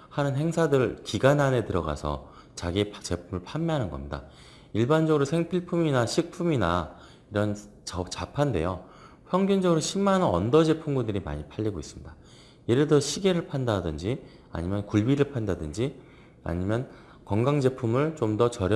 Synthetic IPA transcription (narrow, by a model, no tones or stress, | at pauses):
hanɯnɦe̞ŋsʰadɯɾɯɭkiɡanɦane̞tɯɾʌɡa̰sʰʌ̰ | t͡ɕaɡit͡ɕe̞pʰumɯɭpʰamːeɦanɯnɡʌ̰mɲida̰ | iɭband͡ʑʌɡɯɾosʰeŋpʰiɭpʰuminaɕʰik̚pʰumina̰ | iɾʌn | t͡ɕʌt͡ɕapʰande̞̰jo | ɸjʌŋɡʌnd͡ʑʌɡɯɾoɕʰimːanʌʌ̰ndʌd͡ʑe̞pʰumɡundɯɾima̰ɲipʰaʎːiɡois͈ɯmɲida | jeɾedʌɕʰiɡe̞ɾɯɭpʰandadɯnd͡ʑi | a̰ɲimjʌnkuɭbiɾɯɭpʰandadɯnd͡ʑi | a̰ɲimjʌn | kʌŋɡaŋd͡ʑe̞pʰumɯɭt͡ɕomdʌt͡ɕʌɾj